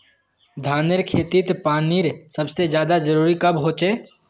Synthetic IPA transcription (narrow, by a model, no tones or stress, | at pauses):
d̪ʱaːnəɾkʰeːt̪it̪paːniːɾsɐbsed͡ʒjaːd̪ad͡ʒɐɾuːɾikɐbɦoːt͡ʃeː